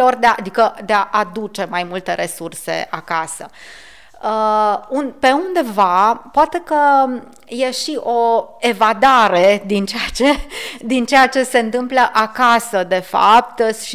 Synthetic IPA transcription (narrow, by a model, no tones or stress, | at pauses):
orʲd̪eaʔad̪ikəd̪eaʔad̪ut͡ʃe̞majmult̪e̞ɾʔe̞surse̞̰akasə̰ | əunpe̞und̪e̞vapoat̪e̞kə | je̞ʃiʔo̞e̞vad̪aɾe̞d̪int͡ʃejat͡ʃed̪int͡ʃejat͡ʃe̞se̞ɨnt̪ɨmpləʔakasəd̪e̞fa̰p̚t̪ʃi